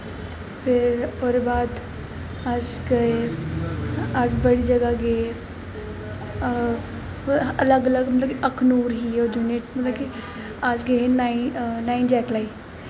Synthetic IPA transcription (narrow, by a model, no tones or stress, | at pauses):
pʰɪɾoːɾebaːd̪ | as | ɡəe | asbəɽiːd͡ʒəɡaɡe | ələɡələɡmɐt̪ləbkiʔəkʰnuːɾɦiːod͡ʒʊneʈmɐt̪ləbki | asɡeenainaːĩnd͡ʒɛːklaːiː